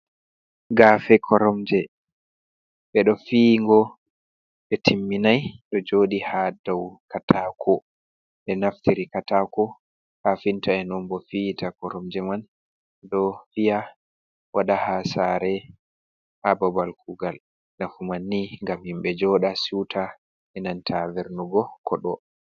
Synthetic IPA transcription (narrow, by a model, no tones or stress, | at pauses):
ɡaːfɛkʰɔɾɔmd͡ʒɛ | ɓɛɗɔfiːŋɡɔ | ɓɛtʰimːinajɗɔd͡ʒoɗihadɔwkatakʰɔ | ɓɛnaftiɾikatakɔ | hafintaɛnɔmbɔfitakɔɾɔmd͡ʒɛman | ɗɔfija | wʔaɗahasaɾɛ | hababalkʰuɡal | nafumanːiŋɡamhimɓɛd͡ʒɔɗasutʰa | ɛnantʰavɛɾnuɡɔkʰɔɗɔ